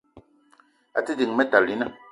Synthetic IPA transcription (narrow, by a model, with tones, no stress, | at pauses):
a̰˨ti˦di˨ŋmɛ˦ta˨li˨˦nə˦˨